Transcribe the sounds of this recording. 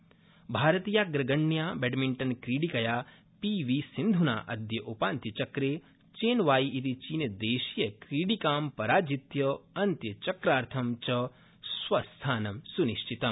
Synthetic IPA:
bʱaːɾɐt̪ijaːɡɾɐɡɐɳːjaːbɛɖmiɳʈɐnkɾiːɽikɐjaː | piʋiːsind̪ʱuna̰ːʔɐd̪jɐʔupaːnt̪jɐt͡ʃɐkɾeː | t͡ʃeːnʋaːjiit̪it͡ʃiːnjɐd̪eːʃijɐkɾiːɽikaːmpɐɾaːd͡ʒit̪jɐɐnt̪jɐt͡ʃɐkɾaːɾt̪ʰɐmt͡ʃɐ | sʋɐst̪ʰaːnɐmsuniʃʈʰit̪ɐm

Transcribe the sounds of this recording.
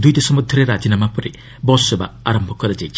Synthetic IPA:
d̪ujd̪esɔmɔd̪ʱːɔɾeɾad͡ʒinamapɔɾe | bɔsɔba̰aɾɔmbʱɔkɔɾed͡ʒejt͡ʃʰ

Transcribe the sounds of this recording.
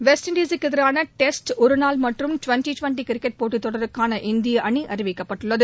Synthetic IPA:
ʋɛsʈɪɳɖiːsɯkːɛðɪɾaːnɐʈɛsʈɔɾɯnaːlmɐʈrɯmʈʊʋɐɳʈiʈʋɐɳʈikɪɾɪkːɛʈ̚poːʈːit̪ːɔɽɐɾɯkːaːnɐʔɪnd̪ɪjɐʔɐɳiʔɐrɪʋɪkːɐpːɐʈːɯɭːɐðɯ

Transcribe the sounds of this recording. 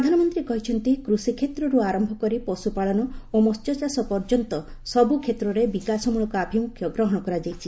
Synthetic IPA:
ɾɔd̪ʱanɔmɔnt̪ɾikɔɦit͡ʃʰɔnt̪ikɾusikʰet̪ɾɔɾuaɾɔmbʱɔkɔɾipɔsupaɭɔnɔomɔst̪jɔsasɔpɔɾd͡ʒɔnt̪ɔsɔbukʰet̪ɾɔɾebikasɔmuɭɔkuabʱimukʰjɔɡɾɔɦɔɽ̃ɔkɔɾad͡ʒajt͡ʃʰi

